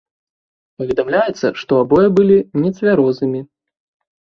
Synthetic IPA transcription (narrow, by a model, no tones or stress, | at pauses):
pɐvʲɛd̪amlʲajɛt̪sːɐ̰ʂt̪ɔabɔjɐbɨlʲinʲɛt̪sʲvʲaɾɔznɨmʲi